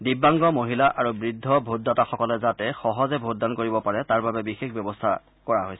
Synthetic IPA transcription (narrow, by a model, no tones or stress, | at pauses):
dibːaŋɡɔmoɦilaʔʔaɹubɹidʱːɔbʱodːɔtaxɔkɔlɛzatɛxɔɦɔzɛbʱodːankoɹibɔpaɹɛtaɹbabɛbixexbjɔbɔstʰa̰ | kɔɹaɦojsɛ̥